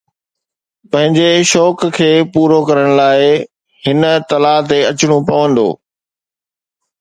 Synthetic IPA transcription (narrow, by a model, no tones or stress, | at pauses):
pɐ̃ɦɪ̃ɲd͡ʑeʃɔːkkʰeːpuːɾokɐɾəɽ̃laːɪ | hɪnət̪ɐlaːt̪eɐt͡ɕɪɽ̃upɐʋə̃nd̪o̰ː